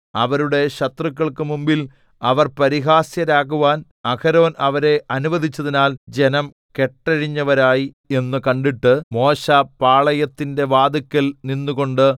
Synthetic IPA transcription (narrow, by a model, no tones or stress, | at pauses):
ɐʋɐɾuɽe̞ɕɐt̪rɨkːɐɭkɨmumbil | ɐʋɐrpɐɾiɦaːsjɐɾaːɣuʋaːn | ɐkʰɐɾo̞ːnɐʋɐɾe̞ʔɐnuʋɐðit͡ɕːɐðinaːld͡ʑe̞nɐm | ke̞ʈːɐɻiɲːɐʋɐɾaːji | e̞nːɨkɐɳɖiʈːɨmo̞ːɕɐpaːɭɐjɐt̪ːinde̞ʋaːd̪ukʲːɐlninːuɣo̞ɳɖɨ